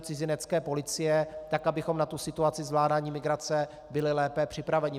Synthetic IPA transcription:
t͡sɪzɪnɛt͡skɛːpo̞lɪt͡sɪjɛt̪akʔabɪxo̞mnat̪usɪt̪uat͡sɪzvlaːdaːɲiːmɪɡɾat͡sɛ | bɪlɪlɛːpɛpr̥ɪpɾavɛɲɪ

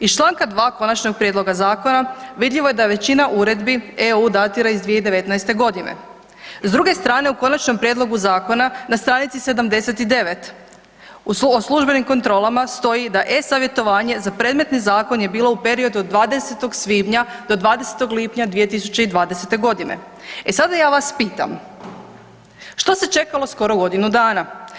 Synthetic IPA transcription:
ist͡ʃlˠaːŋkad̪ʋaːko̞nat͡ʃno̞ɡ̚pɾjed̪lˠo̞ɡazaːko̞naʋid̪ʎiʋo̞jed̪aeʋe̞t͡ɕinaʔuɾe̞d̪bieuːd̪at̪iɾaizd̪ʋije̞id̪eʋe̞t̪naest̪e̞ɡo̞d̪inḛ | zd̪ɾuɡe̞st̪ɾaːne̞uko̞nat͡ʃno̞mpɾjed̪lˠo̞ɡuzaːko̞nanast̪ɾaːnit̪sise̞d̪amd̪e̞se̞t̪id̪e̞ʋe̞t̪ | oslˠuʒbe̞nimko̞nt̪ɾo̞ːlamast̪o̞jid̪aʔe̞saʋje̞t̪o̞ʋaːɲe̞zapɾed̪me̞t̪nizaːko̞nje̞biːlˠo̞upe̞ɾio̞d̪uod̪ʋaːd̪e̞se̞t̪o̞ɡsʋiːbɲad̪o̞d̪ʋaːd̪e̞set̪o̞ɡliːpɲad̪ʋije̞t̪isut͡ɕe̞id̪ʋaːd̪ese̞t̪e̞ɡo̞d̪ine̞̰ | esad̪ajaːʋaspiːt̪a̰m | ʃt̪o̞se̞t͡ʃe̞kalˠo̞sko̞ɾoɡo̞d̪inud̪aːna

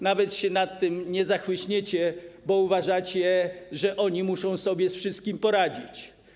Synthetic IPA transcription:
navɛt̪ɕɛnat̪ːɘmɲɛzaxwɘɕɲet͡ɕɛbɔuvaʐat͡ɕɛɛʐɛʔɔɲimuʂɔ̃w̃sɔbʲjɛsfʂɘst̪̚kʲimpɔɾad͡ʑit͡ɕ

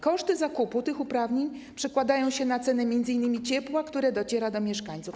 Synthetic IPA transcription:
kɔʂt̪ɘzakuput̪ɘxupɾavɲeɲ | pʂɛkwad̪ajɔ̃w̃ɕɛnat̪sɛnɛmʲjɛnd̪zɘinːɘmʲit͡ɕɛpwakt̪uɾɛd̪ɔt͡ɕɛɾad̪ɔmʲjɛʂkaɲʲt̪suf

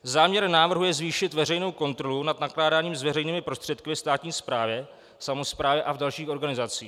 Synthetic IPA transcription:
zaːmɲɛɾnaːvr̩ɦujɛzviːʃɪt̪vɛrɛjno̞wko̞nt̪ɾo̞lunad̪naklaːdaːɲiːmzvɛrɛjniːmɪpɾo̞st̪r̝̥ɛt̪kɪvɛst̪aːt̪ɲiːspɾaːvjɛ | samo̞spɾaːvjɛʔavdalʃiːxoɾɡanɪzat͡siː

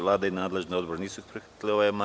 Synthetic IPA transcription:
ʋlˠaːd̪ainaːd̪le̞ʒniod̪boɾniːsuixpɾixat̪lioʋoema

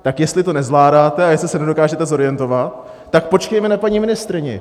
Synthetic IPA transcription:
t̪akjɛstlɪt̪o̞nɛzlaːdaːt̪ɛajɛslɪsɛnɛdo̞kaːʒɛt̪ɛzo̞ɾɪjɛnt̪o̞vat̪̚ː | ak̚po̞t͡ʃkɛjmɛnapaɲiːmɪnɪst̪ɾɪɲɛ̰

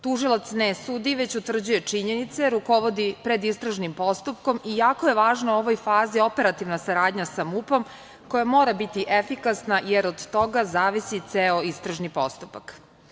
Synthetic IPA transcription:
t̪uʒilˠat̪snesuːd̪iʋe̞t͡ɕut̪ʋr̩d͡ʑuje̞t͡ʂiɲe̞nit̪seɾuko̞ʋo̞d̪ipɾe̞d̪ist̪ɾaʒnimpo̞st̪up̚ko̞mijaːkoje̞ʋaːʒnao̞ʋo̞jfaːzio̞pe̞ɾat̪iʋnasaɾaːd̪ɲasamupo̞m | ko̞jamo̞ːɾabit̪iʔefikasnajeɾod̪ːo̞ɡazaːʋisit̪seo̞ist̪ɾaʒnipo̞st̪upak

